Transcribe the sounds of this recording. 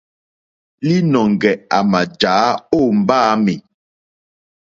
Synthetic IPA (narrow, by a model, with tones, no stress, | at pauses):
li˦nɔ˨ŋ̩˨ɡɛ˨a˨ma˨d͡ʒaː˨˦o˦˨m̩˨baː˦mi˨